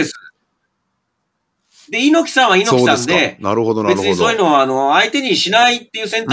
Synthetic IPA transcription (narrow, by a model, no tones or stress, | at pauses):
esɨ̥ | d̪e̞ino̞kʲi̥sãɰ̃βainoisãnd̪e̞ɾd̪be̞t͡sɨɲ̟isoːjino̞aano̞ait̪e̞ɲ̟iɕinait̪ːe̞jɯ̟ːsẽ̞nt̪